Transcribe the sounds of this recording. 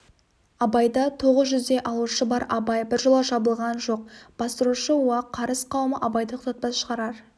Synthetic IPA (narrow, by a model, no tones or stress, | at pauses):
ɑbɑjd̪ɑt̪ʰo̞ʁəzʒʏzd̪e̞ʔɑlˠəʃəbɑɾɑbɑjbɪɾʒəlˠɑʒɑbəlˠʁɑnʒo̞q̚b̥ɑst̪əɾuʃəwɑqʰːɑɾəsqʰɑwməʔɑbɑjd̪əqʰʊ̥t̪ɑt̪̚pɑsʃə̥ʁɑɾɑɾ